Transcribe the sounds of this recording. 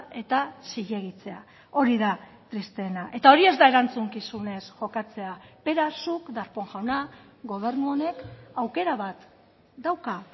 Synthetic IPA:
e̞t̪asiʎe̞ɣ̞it͡se̞a̰ | o̞ɾiða | t̪ɾist̪e̞ːnaʔe̞t̪ao̞ɾie̞zd̪ae̞ɾant͡suŋkisune̞sʝo̞kat͡se̞ape̞ɾasukd̪aɾpo̞ŋʝawna | ɡo̞β̞e̞ɾnuo̞ne̞kawke̞ɾaβat̪ | d̪awka

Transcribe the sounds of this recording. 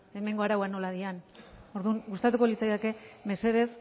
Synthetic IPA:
e̞me̞ŋɡo̞aɾawano̞laðiano̞ɾðuŋɡust̪at̪uko̞lit͡sajðeke̞me̞se̞ðe̞s

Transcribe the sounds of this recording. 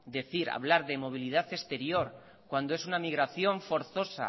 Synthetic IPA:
d̪e̞θiɾa̰βlaɾðe̞mo̞β̞iliðaθe̞st̪e̞ɾjo̞ɾ | kwand̪o̞e̞sunamiɣɾaθjo̞ɱfo̞ɾθo̞sa̰

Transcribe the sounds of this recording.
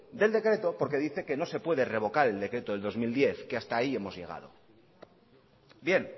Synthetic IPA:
d̪e̞ld̪ekɾe̞t̪o̞po̞ɾke̞ðiθe̞ke̞no̞se̞pwe̞ðere̞β̞o̞kaɾe̞ld̪e̞kɾe̞t̪oððo̞zmild̪je̞θkeast̪aːie̞mo̞zʝe̞ɣ̞a̰ð̞o̞̰ | bje̞n

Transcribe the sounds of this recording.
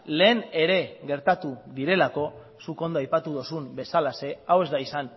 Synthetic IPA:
le̞ːne̞ɾe̞ɣe̞ɾt̪at̪uðiɾe̞lako̞ | suko̞nd̪oajpat̪uðo̞sumbe̞salase̞awe̞zd̪aisan

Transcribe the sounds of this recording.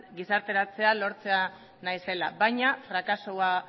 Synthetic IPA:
ɡisaɾt̪e̞ɾat͡se̞alo̞ɾt͡se̞a | najse̞la̰βajɲafɾakasoa

